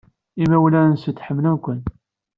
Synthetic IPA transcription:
imæwlænsət̪ːħəmːlənkʷən

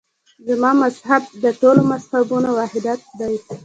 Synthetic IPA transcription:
zəmɑmashab̚d̪əʈolomashabunowɑhɪd̪at̪̚d̪aj

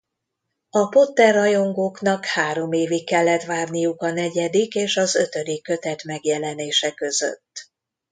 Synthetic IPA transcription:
ɒpo̞t̪ːɛrːɒjo̞ŋɡoːkn̪ɒkhaːɾo̞meːvikːɛlːɛt̪ʋaːrnijukɒnɛɟɛd̪ikeːʃɒzøt̪ø̞d̪ikːøt̪ɛt̪mɛɡjɛlɛneːʃɛkø̞zø̰t̪ː

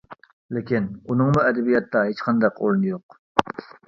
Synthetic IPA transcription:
lekʲinunɨŋmuɛd̪ɛbijɑt̪ːɑɦet͡ʃqʰɑnd̪ɑqʰo̰ɾˠɨnɨjoq

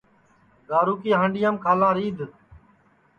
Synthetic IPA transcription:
ɡaːɾuːkiːɦãːɳɖɪjãːmkʰaːlãːɾiːd̪

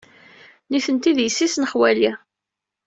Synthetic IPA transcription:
niθənt̪iðjəsːisnəχwæli

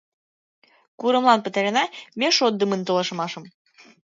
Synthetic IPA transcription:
kuɾə̆mlˠɑnpə̆t̪eɾenɑmeʃod̪̚ːəmənt̪olɤ̆ʃɤ̆mɑʃə̆m

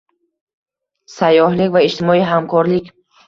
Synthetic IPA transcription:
sajɔɦlikvaiʃt̪imɔiɦamkʰɔɾlik

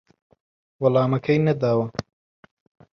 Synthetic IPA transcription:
wɐlaːmɐkʰɐjnɐd̪aːwɐ

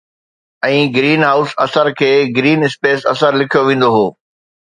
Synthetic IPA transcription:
ɛ̃ːɡɾiːnɦaːʊsɐ̰səɾkʰeːɡɾiːnɪspeːsɐsəɾlɪkʰijoʋĩːn̆d̪oɦoː

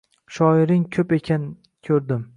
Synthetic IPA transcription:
ʃɒɪɾɪŋkʲʰɵpe̞kʲʰan | kʲʰɵɾd̪ɪm

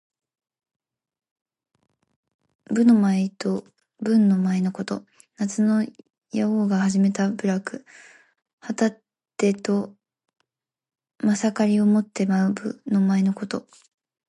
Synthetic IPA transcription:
bɯ̟no̞maet̪o̞ | bɯ̟̃nːo̞maeno̞ko̞t̪o̞ | nat͡sɨno̞ | jaoːɡahaʑime̞t̪abɯ̟ɾakɯ̟ | hat̪at̪ː | e̞t̪o̞ | masakaɾʲio̞mo̞t̪ːe̞maɯ̟bɯ̰no̞maeno̞ko̞t̪o̞

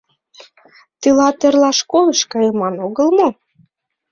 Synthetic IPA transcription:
t̪ilɑt̪ĕrlɑʃkoləʃkɑjəmɑnoɣəlmo

